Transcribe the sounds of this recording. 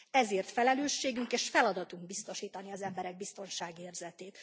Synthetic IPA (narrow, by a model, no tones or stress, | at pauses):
ɛzeːrt̪fɛlɛløːʃːeːɡyŋkeːʃfɛlɒd̪ɒt̪uŋɡbist̪o̞ʃiːt̪ɒniɒzɛmbɛɾɛɡ̚bist̪o̞nʃaːɡieːrzɛt̪eːt̪